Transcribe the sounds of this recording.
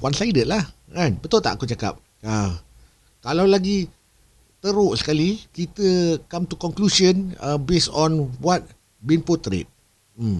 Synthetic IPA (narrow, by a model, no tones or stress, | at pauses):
wansajdət̪̚lahʔanbət̪ʊlt̪a̰ʔakut͡ʃaka̰p̚ | a | kalawlaɡi | t̪əɾʊʔsə̥kalikit̪əkamt̪ukɔŋklusənəbesɔ̃nbwat̪̚ | binpot̪ɾɪ̰t̪̩̚